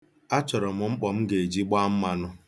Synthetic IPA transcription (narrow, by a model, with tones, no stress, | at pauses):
a˦t͡ʃɔ˨ɾɔ˨mʊ˨ŋ͡m̩˦k͡pɔ˨m̩˦ɡe˨d͡ʒi˦ɡ͡ba˦m̩˦ma˨nʊ˦